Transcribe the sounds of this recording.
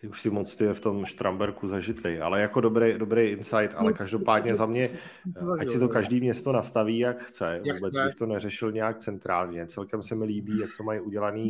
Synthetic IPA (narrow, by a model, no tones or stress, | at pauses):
t̪ɪuʃsɪmot͡st̪ɪɛft̪o̞mʃt̪ɾʔambɛɾkuzaʒɪt̪lejʔa̰lɛjakodobɾɛjdo̞bɾejɪnsajt̪a̰lɛkaʒdo̞paːdɲɛzamɲɛʔacsɪt̪okaʒdiːmɲɛst̪o̞nast̪aviːjakxt͡sɛvuːbɛt͡sɪxt̪o̞nɛrɛʃɪlɲɛjak̚t͡sɛnt̪ɾaːlɲɛt͡sɛlkɛmsɛmɪliːbiːjak̚t̪o̞majʔuɟɛlaniː